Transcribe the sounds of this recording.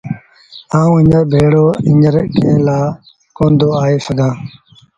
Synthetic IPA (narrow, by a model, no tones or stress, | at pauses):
aːũːɪ̃ɲəɾbʱeːɽoːɪɲəɾkʰẽːlaː | kõːnd̪ʱoːaːeːsəɡãː